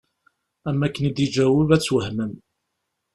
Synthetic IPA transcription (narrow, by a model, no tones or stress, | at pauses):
æmːækːənid̪id͡ʒæwəvæt͡sːwəhmən